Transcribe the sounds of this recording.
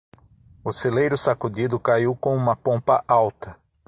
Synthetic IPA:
ʊselejɾʊsakʊd̪id̪ʊkaiwkõũmɐpõpɐʔawt̪ɐ

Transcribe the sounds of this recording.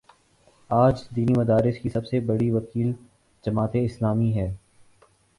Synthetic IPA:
aːd͡ʒd̪iːnimɐd̪aːɾɪskisɐbsebɐɽiʋɐkiːl | d͡ʒɐmaːt̪eɪslaːmiɦɛː

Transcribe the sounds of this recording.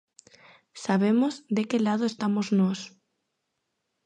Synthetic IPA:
saβemozd̪ekelaðoest̪amoznɔs

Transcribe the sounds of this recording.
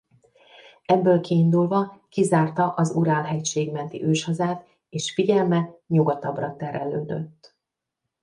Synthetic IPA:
ɛbːøːlkiːnd̪ulvɒkizaːrt̪ɒʔɒzuɾaːlɦɛcʃeːɡmɛnt̪ḭʔøːʃhɒzaːt̪ | eːʃfiɟɛlmɛɲuɡɒt̪ɒbrɒt̪ɛɾɛløːd̪ø̰t̪ː

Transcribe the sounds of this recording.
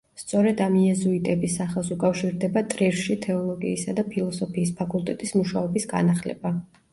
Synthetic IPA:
st̪sʼɔɾɛd̪amijɛzuit̪ʼɛbisaχɛlˠsukʼafʃiɾd̪ɛbat̪ʼɾiɾʃit̪ʰɛɔlˠɔɡḭːsad̪apʰilˠɔsɔpʰiːspʰakʼulˠt̪ʼɛt̪ʼismuʃaɔbisɡa̰naχlɛ̰ba

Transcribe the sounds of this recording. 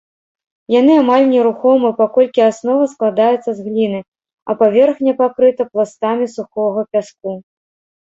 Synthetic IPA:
jan̪ɨamalʲnʲɛɾuxɔmɨpakɔlʲkʲiasnɔvɐsklˠad̪ajut̪sːɐzɣlʲinɨ | ɐ̰pavʲɛrxnʲɛpakɾɨt̪ɐplˠast̪amʲisuxɔɣɐpʲask̚u

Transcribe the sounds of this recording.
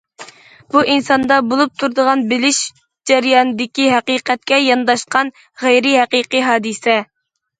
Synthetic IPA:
b̥uʔinsɑnd̪ɑbolˠup̚t̪ʰuɾd̪əʁɑnbɪlɪʃ | d͡ʒɛɾjɑnd̪ɪkʲiɦæqiːqʰɛt̪̚kʲɛjɑnd̪ɑʃqɑn | ʁæjɾɪɦæqiqiɦɑːd̪ɨsɛ

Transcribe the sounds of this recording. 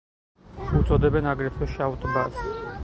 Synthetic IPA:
ut̪sʼɔd̪ɛbɛnaɡɾɛt̪ʰwɛʃavt̪ʼbas

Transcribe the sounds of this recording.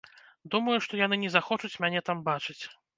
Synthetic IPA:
d̪umɐjuʂt̪ɔjanɨnʲɛzaxɔt͡ʂut͡sʲmʲanʲɛt̪ambat͡ʂɨt͡sʲ

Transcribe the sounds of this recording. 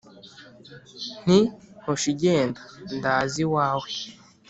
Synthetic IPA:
n̥ihoʃiɟeːndandaːziwaːwe

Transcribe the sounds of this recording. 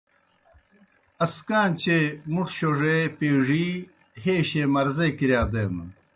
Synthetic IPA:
ɐskaːnt͡ɕemuʂɕoʐepeːʐi | heːɕemɐɾzekiɾjaːd̪eːnṵ

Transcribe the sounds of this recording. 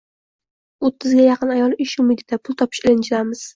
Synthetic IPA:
ot̪ʰːɪzɡʲajɑqʰɨnajɒlˠɪʃʊmɪɡ̪ʲɪd̪apʰʊlˠt̪ʰɒpʰɪ̥ʃɪlɪnt͡ʃʰɪlamɪz̥

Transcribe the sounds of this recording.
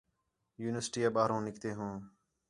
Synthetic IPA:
juːnɪʋəɾsʈiːaːɓaːɾõːnɪkt̪eːɦõː

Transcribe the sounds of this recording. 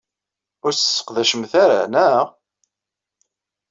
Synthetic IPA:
ʊɾssːə̥qðæʃəmθaɾa̰næ

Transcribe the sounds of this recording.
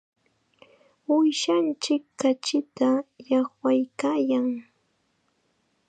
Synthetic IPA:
ʊjʃant͡ʃɪkːat͡ʃɪt̪ajaχwajkaːjaŋ

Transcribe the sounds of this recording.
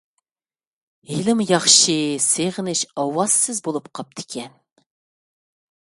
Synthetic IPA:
hilɪmjɑχʃɨseʁɪnɪʃɑwɑz̥sɪzbolˠupqʰɑp̚t̪ʰɪ̥kʲʰɛn

